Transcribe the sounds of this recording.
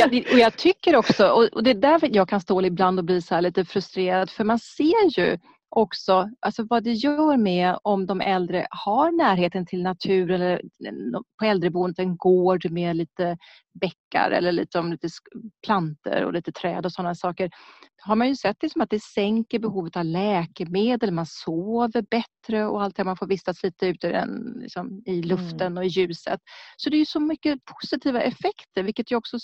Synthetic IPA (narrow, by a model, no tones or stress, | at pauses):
ɛɔjɑɡt̪ʰʏkːəɾɔksɔʔɔɔd̪ɛd̪æɾjɑːɡ̚kʰanst̪oːlɪɪbland̪ɔbliːsɔhæːɭiːt̪əfɾɵst̪ɾeːɾad̪fœɾmanseːɾjɵ̰ | ʔɔksɔʔalsɔvad̪ɛjœːɾmɛɔmd̪ɔmʔɛld̪ɾə̰haɾnæːɾɦeːt̪ənt̪ʰɪlnat̪ʰʉ̟ːɾənɛlːə | pʰɔɛld̪ɾəbuːənt̪ɛnɡoːɖmeliːt̪ə | bɛkːa̰ɾɛ̰lːəɭḭːt̪sɔmliːt̪əspʰlant̪ə̰ɾɔ̰liːt̪ət̪ʰɾɛ̰ːd̪ɔsɔnːasɑːkəɾ | ɦaɾmanjɵsɛt̪̚ːd̪ɪksɔmat̪̚d̪ɛsɛŋkəɾbɛɦuːvət̪avlɛːkəmeːd̪əlmansoːvəɾbɛt̪ɾəɔ̰alt̪̚hæːmanfoːɾvɪsːasliːt̪əʉ̟ːt̪əd̪ɛ̰nlɪ̰ksɔmɪlɵft̪ənɔɪjʉ̟ːsə̰t̪sɔd̪ɛjɵsɔmʏkːəpʰʊ̥sɪt̪ʰiːvaʔɛfɛkt̪əɾvɪlkːət̪jɵɔksɔ